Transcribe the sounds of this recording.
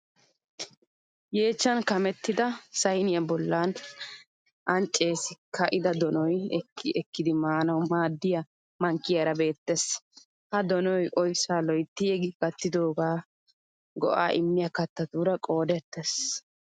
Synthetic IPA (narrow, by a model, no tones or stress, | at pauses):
je̞ːt͡ʃːɐnkɐmɛt̪ːɪd̪ɐsɐjnɪjɐbɔlːan | ʔɐnt͡ʃʼːe̞ːsɪkɐʔɪd̪ɐd̪ɔnɔjɛkːɪʔɛkːɪd̪ɪmaːnɐwmaːd̪ːɪjɐ | mɐŋkːɪjɐɾɐbe̞ːt̪ːes | hɐd̪ɔnɔjʔɔjsaːlɔjt̪ːɪjɛɡɪɡɐt̪ːɪd̪o̞ːɡaː | ɡɔ̰ʔa̰ːʔɪmːɪjɐkɐt̪ːɐt̪uːɾɐkʼo̞ːd̪ɛt̪ːes